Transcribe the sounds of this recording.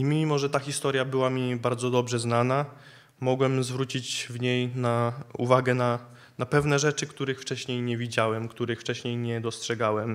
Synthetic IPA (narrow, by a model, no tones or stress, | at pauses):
imʲimɔʐɛt̪axʲist̪ɔɾʲjabɘwamʲibaɾd̪zɔd̪ɔbʐɛznana | mɔɡwɛmzvɾut͡ɕid͡ʑvɲejnauvaɡɛna | napɛvnɛʐɛt͡ʂɘkt̪uɾɘxft͡ʂɛɕɲejɲɛvʲid͡ʑawɛmkt̪uɾɘxft͡ʂɛɕɲejɲɛd̪ɔstʂɛɡawɛm